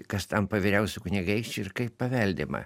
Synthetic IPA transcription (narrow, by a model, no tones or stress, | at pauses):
kɐst̪ɐmpɐʋʲɪɾʲɛʊsʲʊknʲiɡɐɪʃʲt͡ʃʲɪɾkɐɪpppɐʋʲɛlʲd̪ʲɪmɐ̰